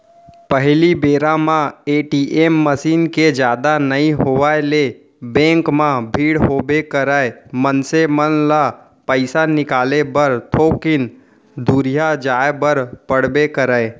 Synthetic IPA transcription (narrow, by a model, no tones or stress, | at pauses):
pəɦlibeːɾamãeːʈiːʔemːəsiːnked͡ʒjaːd̪anəĩɦoʋaele | bɛ̃ːŋkmãbʱiːɽɦoːbekəɾəmənsemənla | pəɪsanɪkaːlebəɾt̪ʰoːkɪn | d̪uɾijad͡ʒaːebəɾpəɽbekəɾəe